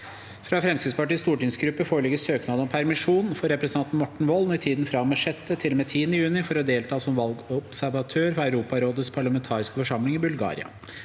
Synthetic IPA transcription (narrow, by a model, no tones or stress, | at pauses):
fɾɑfɾɛmsɪd̪spɑʈiːst̪uːʈɪŋsɡɾʉpːəfoːɭɪɡəsøːknɑːd̪ɔmpʰæɾmɪʂuːnfɔɾɛpɾɛsənʰɑnt̪n̩mɔʈːɳ̩ʋɔlnɔɪt̪ʰiːd̪n̩fɾɑmɛʂɛt̪ːət̪ʰɪlɔmet̪ʰiːənəjʉːnɪfɔɾɔd̪eːlt̪ʰɑːsɔmʋɑlɡɔbsæɾʋɑt̪ʰøːɾfɔɾæʉɾuːpɑɾoːd̪əspʰɑɭɑmɛnt̪ʰɑːɾɪskəfɔʂɑmlɪŋɪbʉlɡɑ̰ːɾɪ̰ɑ̰